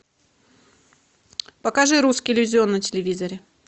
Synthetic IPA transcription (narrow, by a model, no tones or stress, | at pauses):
pɐkaʐɨɾuskʲɪɪlʲɪvʲɪzʲɪo̞nːəmtʲɪlʲɪvʲizəɾʲɪ